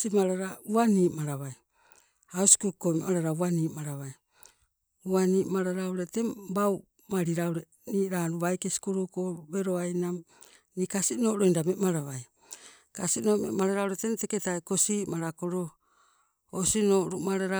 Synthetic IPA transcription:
simaɾaɾauaniːmaɾaβaj | awsi̥kukomemaɾaɾauaniːʔmaɾaβaj | uaniːmaɾaɾauɾe̞te̞baw | maɾiɾawɾe | niːʔɾaɾuβajkesi̥kuɾukoβe̞ɾo̞ajnam | nikasinoɾo̞jndamemaɾaβaj | kasino̞ːmḛmaɾaɾawɾetenteketajkosiːmaɾakoɾo | osino̞ːɾumaɾaɾa

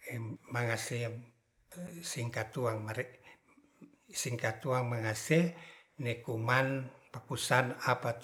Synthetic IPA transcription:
maŋase | siŋkat̪uaŋmaɾɛ | siŋkat̪uaŋmaŋase | nekumanpakusanapat̪

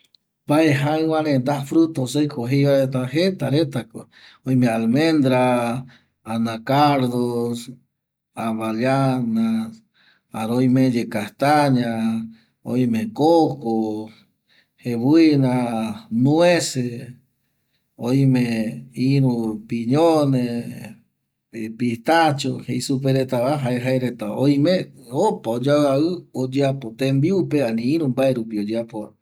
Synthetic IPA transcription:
paeɦawaɾẽnd̪afɾut̪osejkoɦejβaet̪aɦet̪aɾet̪ako | ojmẽalmẽnd̪ɾa | anãkaɾðos | aβaljana | aɾojmẽd͡ʒekaht̪aɲã | ojmẽkoko | heβuinãnũẽse | oj̃mẽĩɾũpiɲone | pit̪at͡ʃoheisup̬eɾet̪aβaɦaeɦaeɾet̪aoj̃mẽopaod͡ʒaaɨod͡ʒeapot̪ẽmbiupeãnĩĩɾũmbaeɾupiod͡ʒeapoa̰

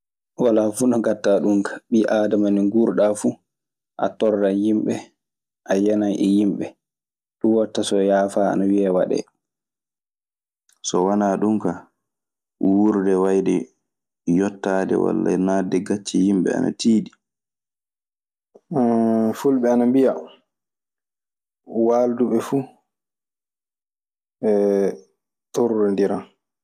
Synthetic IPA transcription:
walafunɔɡatːaɗuŋkḁɓiʔaːdamaniŋɡuɾɗafu | ʔa̰tɔɾdajimɓɛ | ʔajɛnajʔɛjimɓɛ | ɗuwatːasɔjaːfaa̰nawiawaɗɛ̰ | sɔwanaːɗuŋka | wuɾdɛwajdɛ | jɔtːaːdɛ̰wa̰lːa̰nadɛɡat͡ʃːijimbɛ̰a̰na̰tiːɗi | fulɓɛanambija | waːlduɓɛfuː | ɛ | toɾɾɛndiɾa

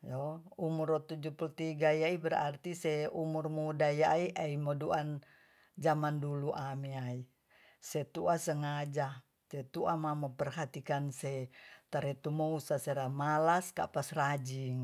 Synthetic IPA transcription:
joumurɔt̪ud͡ʒupult̪iɡajaibəɾa̰rt̪isɛumurmudajaiʔaimɔduan | d͡ʒamanduluʔamiai | sɛt̪uasəŋad͡ʒa | sɛt̪uamaməmpərɦat̪ikansɛt̪aɾɛt̪umɔusasɛɾamalaska̰pasrad͡ʒiŋ

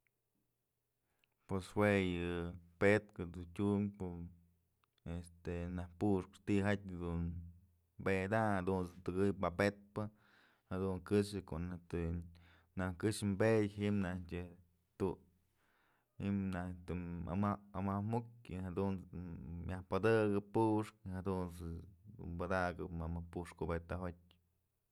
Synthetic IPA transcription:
pweswejɨpet̪kɨd̪utʲumpo | est̪enahpuʂpɨ̥t̪iɦat̪̚ʲd̪un | mbed̪ahad̪unt͡sɨt̪ɨɡɨjpapet̪̚pɨ | had̪uŋkɨʂɨkoʔnaht̪ɨ | nahkɨʂmbeʔjɦimnahtʲɨ | t̪u | himnat̪ua̰maamamukʲɨhad̪unjahpad̪ɨɡɨppuʔʂkhad̪unsɨd̪ṵnbad̪aɡɨpmamapuʂkubet̪aɦot̚ʲ

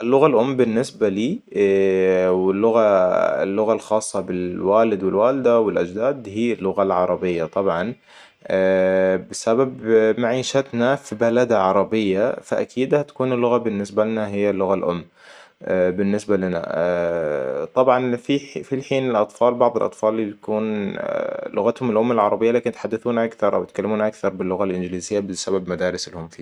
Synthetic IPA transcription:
ʔɪlːʊɣalʔʊmːbɪnːɪsbaliː | wɪlːʊɣaɪ̰lːʊɣalxɑːsˤːɑbɪlwaːlɪd̪wɪlwaːlɪd̪awɪlʔad͡ʒd̪aːd̪hiːlːʊɣalʕɑɾˤɑbɪjːat̪ˤɑbʕɑnː | bɪsababmaʕiːʃat̪nafibalad̪aʕɑɾˤɑbɪjːafaʔa̰kʰiːd̪hat̪ḁkuːnɪlːʊɣabɪnːɪsbalanaɦɪjːalːʊɣalʔʊmː | bɪnːɪsbalana̰ | t̪ˤɑbʕɑnfifilħiːnɪlʔɑt̪ˤfɑːlbɑʕðˤɪlʔɑ̰t̪ˤfɑːlt̪akuːn | lʊɣat̪hʊmɪlʔʊmːalʕɑɾˤɑbɪjːalaːkɪnt̪ħad̪ːaθuːnʔakθɑɾˤʔa̰wɪt̪kalːɪmuːnʔakθɑɾˤbɪlːʊɣalʔɪnd͡ʒliːzɪjːabɪsababmad̪aːɾɪsɪlhʊmfiː

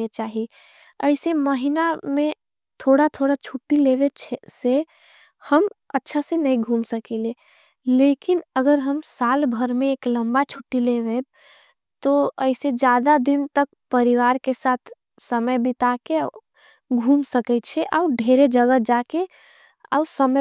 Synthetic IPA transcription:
et͡ʃaɦi | əɪseməɦinamẽ | t̪ʰoɽat̪ʰoɽat͡ʃʰuʈːileʋet͡ʃʰɛse | həmətːʃʰasenəĩɡʱumsəkɛle | lekinəɡəɾɦəmsalbʱəɾmẽːkləmbat͡ʃʰuʈːilebe | t̪oəɪsed͡ʒad̪ad̪int̪ək̚ | pəɾiʋaɾkesat̪ʰ | səməjbit̪ake | ɡʱumsəkɛt̪̚t͡ʃʰɛʔa̰uɖʱeɾed͡ʒəɡəd͡ʒake | a̰səm

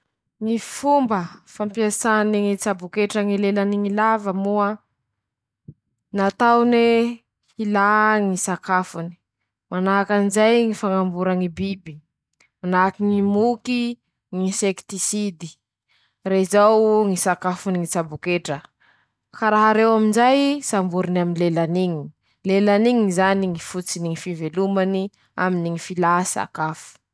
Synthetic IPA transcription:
ŋifumbəfampiasaniŋit͡sabukeʈ͡ʂəŋileləniŋilavəmuə | nat̪awne | ilaŋisakafuni̥ | manaɦakanizajŋifaŋambuɾaŋibibi | manakiŋimuki | ŋisekt̪isid̪i̥ | reizawŋisakafuniŋit͡sabukeʈ͡ʂə | kaɾaɦaɾewaminzajsambuɾinaminlelaniŋi | lelaniŋizaniŋifut͡siniŋifivelumani | a̰miniŋifilasa̰kafu̥

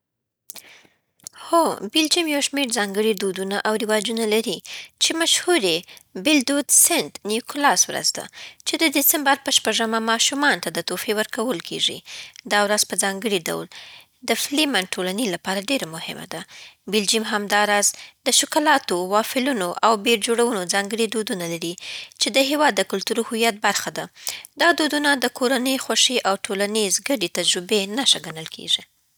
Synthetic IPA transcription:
xobɪld͡ʒimjawʃmeɾzɑŋɡəɽid̪od̪unaʔawɾɪwɑd͡ʒunalaɾit͡ʃemaʃhuɾebɪld̪od̪sɪnt̪njukʊlɑswɾə̰zd̪a̰t͡ʃed̪əd̪ɪsɪmbaɾpəʃpaʐəmamɑʃumɑnt̪ad̪ət̪ofewəɾkawəlkʰḛʐḭd̪ɑwɾazpəzɑŋɡəɽiɖa̰wl | d̪əflimanʈːolanilapɑɾaɖeɾamʊhɪ̰ma̰d̪abɪld͡ʒimɦamd̪ɑɾɑzd̪̥əʃʊkalɑt̪owɑfɪlunoʔawbeɾd͡ʒoɽawunod͡zɑŋɡəɽid̪od̪unalaɾit͡ʃed̪əɦewɑd̪ːəkʊlt̪uɾohujat̪̚baɾxad̪ad̪̥ɑd̪od̪unad̪əkʰoɾanəjxwaʂiʔawʈʰolanizɡaɖet̪ad͡ʒɾubenaʃaɡanəlkʰḛʐi

